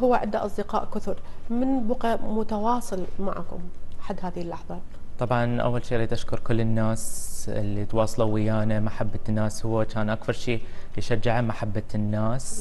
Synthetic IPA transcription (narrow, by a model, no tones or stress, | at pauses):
hʊwːaʕɪd̪aʔɑ̰sˤd̪ɪqɑːʔkʊθʊɾmɪnbʊqamʊt̪awɑːsˤɨlma̰ʕkʊ̰mʔaħad̪ːhaːðɪhɪlːɑħðˤɑ | t̪ˤɑbʕɑnʔa̰wːalʃiːʔɾˤiːt̪ʔaʃkʊɾˤkʊlːɪnːaːsɪ̰lːit̪wɑːsˤɑlawɪjaːnamaħabːanːaːshʊwːat͡ʃaːnʔakfɑɾˤʃiːɪʃad͡ʒːɪʕamaħabːanːaːs